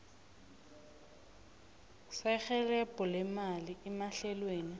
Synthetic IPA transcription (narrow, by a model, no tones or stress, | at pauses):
sɛχɛlɛpʼɔlɪmaliɛmaɬɛlweːni